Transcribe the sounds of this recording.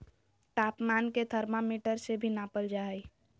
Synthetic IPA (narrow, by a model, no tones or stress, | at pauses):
ʈ̪aːpmaːnket̪ʰəɾmamiːʈəɾsebʱinaːpəld͡ʒaːi